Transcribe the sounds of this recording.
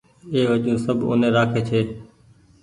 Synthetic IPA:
eːʋəʄũːsəbʱʊ̰ːnẽːɾaːkʰeːt͡ʃʰeː

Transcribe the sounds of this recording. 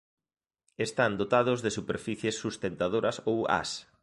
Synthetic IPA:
est̪and̪ot̪að̞ʊzðesupeɾfiθjesːust̪ent̪að̞oɾɐsowa̰s

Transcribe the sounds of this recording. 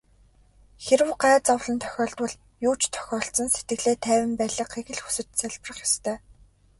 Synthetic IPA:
xeɾɘ̆wɢæːt͡sɔwɮɞ̆nt̪ʰœ̥xʲɔːɮt̪wʊ̆ɮ | juːt͡ɕt̪ʰœ̥xʲɔːɬt͡sɞ̆nset̪̚ɡɘ̆ɮeːt̪ʰæːwɘ̆mpæːɮə̆qχeɣɘ̆ɮxu̥sɘ̆t̪sæɮprə̆χjɔst̪ʰœː

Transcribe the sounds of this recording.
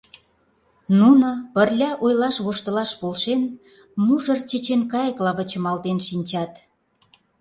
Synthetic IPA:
nunɤ̆pə̆rlʲɑʔojlɑʃβoʃt̪ə̆lɑʃpolʃen | muʒərt͡ɕet͡ɕenkɑjə̆klɑβə̆t͡ɕə̆mɑlt̪enʃinʲt͡ɕɑt̪

